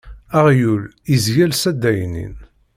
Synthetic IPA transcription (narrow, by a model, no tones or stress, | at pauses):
aʁjul | izjælsæd̪ːæjnḭn